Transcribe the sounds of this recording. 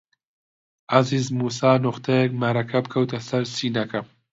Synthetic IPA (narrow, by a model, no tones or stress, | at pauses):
ʔɐziːzmuːsaːnʊχt̪ʰɐjɛk̚mɐɾɐkʰɐbɨkʰɐwt̪ʰɐsɐɾsiːnɐkʰɐm